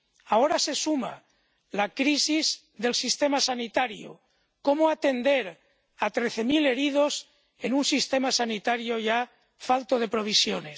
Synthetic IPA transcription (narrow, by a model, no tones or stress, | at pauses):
ao̞ɾase̞suma̰ | lakɾisiz | ðe̞lsist̪e̞masanit̪aɾjo̰ | ko̞moat̪e̞nd̪e̞ɾ | at̪ɾe̞θe̞mile̞ɾiðo̞s | e̞nunsist̪e̞masanit̪aɾjo̞ʝa | falt̪oð̞e̞pɾo̞β̞isjo̞nes